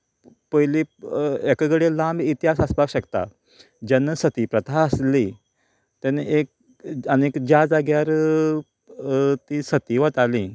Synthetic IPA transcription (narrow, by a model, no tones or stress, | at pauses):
pəjliekəɡɽelãmbit̪iɦasaspakɕəkt̪a̰ | d͡ʑənːəsət̪ipɾət̪ʰaəsli | t̪aneʔek̚ | ənekd͡ʑad͡zaɡjaɾ | t̪isət̪iʋət̪ali